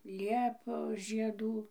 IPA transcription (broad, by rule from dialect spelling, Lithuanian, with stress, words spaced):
ˈlʲiɛpoːs ʒʲiɛˈduː